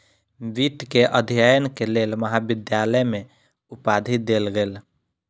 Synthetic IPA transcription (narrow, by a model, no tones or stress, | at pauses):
bit̪keʔəd̪ʱijajənkelelməɦabid̪jaləjme | upad̪ʱit̪̚d̪elɡel